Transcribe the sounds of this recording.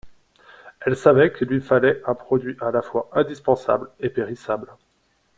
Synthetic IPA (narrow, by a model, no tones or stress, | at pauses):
ɛlsavɛkəlɥifalɛɛ̃pχɔd̪ɥiʔalafwaʔɛ̃d̪ispɑ̃sa̰blepeʁisabl